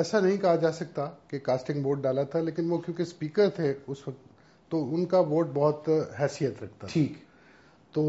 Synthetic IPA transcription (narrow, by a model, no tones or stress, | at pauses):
ɛːsanɐɦĩkɐɦad͡ʒaːsɐk̚t̪akekaːsʈɪ̃ŋɡboːɾʈ̚ɖaːlat̪ʰaleːkɪnʋokjõːkespiːkəɾt̪ʰeʊsʋɐkt̪ː | oʊnkaboːɾʈ̚bɔɦʊt̪ɦɛːsijət̪ɾɐk̚ʰt̪aiːk | t̪oː